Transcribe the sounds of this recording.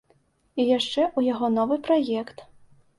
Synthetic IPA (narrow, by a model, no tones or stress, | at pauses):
ijaʂt͡ʂɛʔujaɣɔnɔvɨpɾajɛkt̪